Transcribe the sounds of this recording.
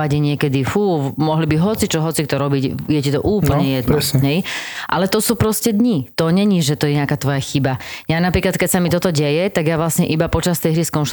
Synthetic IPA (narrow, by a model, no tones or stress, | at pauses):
aɟɛɲɪɛkɛd̪ifuːmɔɦlibiɦɔt͡sit͡ʃɔɦɔt͡sikt̪ɔɾɔbicjɛcit̪ɔ̰ʔuːpl̩ɲɛjɛd̪nɾsɦɛjʔalɛt̪ɔsuːpɾɔscɛd̪ɲit̪ɔɲɛɲiʒɛt̪ɔjɛɲɛakaːt̪ʋɔjaxibajanapɾiːklat̪kɛcsamit̪ɔt̪ɔɟɛjɛt̪aɡjaʋlasɲɛʔibapɔt͡ʃast̪ɛjɦɾiskɔnʃ